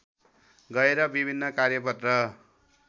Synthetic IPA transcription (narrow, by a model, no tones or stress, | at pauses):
ɡʌeɾʌbibʱinːʌkaɾjʌpʌt̪rʌ